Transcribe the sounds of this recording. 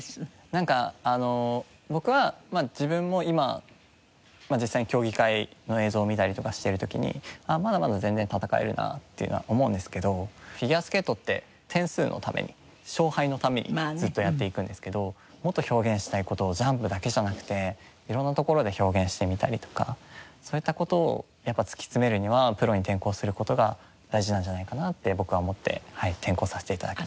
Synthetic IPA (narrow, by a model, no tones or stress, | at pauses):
nãŋkaano̞ | bo̞kɯ̟βamad͡ʑibɯ̟̃mːo̞ima | mad͡ʑisːaiɲkʲo̞ːɡʲikaino̞e̞ːzo̞ːmʲit̪aɾʲit̪o̞kaɕi̥t̪e̞ɾɯ̟t̪o̞kʲḭɲ̟ḭamad̪amad̪azẽnd͡ze̞nt̪at̪akae̞̰ɾɯ̟̰na̰t̪ːe̞jiɯ̟noa̰ʔo̞moɯ̟̃nd̪e̞sɨ̥ke̞d̪o̞ɸʲiɡʲiasɨ̥ke̞ːt̪ːo̞t̪ːe̞̰ | t̪ʰẽ̞ɰ̃sɨ̰ːnʔo̞̰t̪ʰamʔe̞̰ɲ̟ʔi | ɕo̞ːhaino̞t̪ame̞̰ɲ̟ʔḭzɨt̪ːo̞jat̪ːe̞ikɯ̟̃nd̪e̞sɨ̥ke̞d̪o̞ | mo̞t̪ːo̞ço̞ːɡẽ̞ɰ̃ɕi̥t̪aiko̞t̪o̞ːʑãmpɯ̟d̪ake̞ʑanakɯ̟̥t̪e̞ | iɾõ̞nːat̪o̞ko̞ɾo̞d̪e̞ço̞ːɡẽ̞ɰ̃ɕi̥t̪e̞mʲit̪a̰ɾʲit̪o̞̥ka̰soːit̪ːako̞t̪o̞̰ː | japːat͡sɨ̥kʲi̥t͡sɨme̞ɾɯ̟ɲ̟iβapɯ̟ɾo̞ɲ̟it̪ẽ̞ŋko̞ːsɨɾɯ̟ko̞t̪o̞ɡa | d̪̥aiʑinãɲ̟d͡ʑanaikanat̪ːe̞bo̞kɯ̟βamo̞t̪ːe̞̰hait̪ʰẽ̞ŋko̞ːsaset̪eit̪ad̪aki̥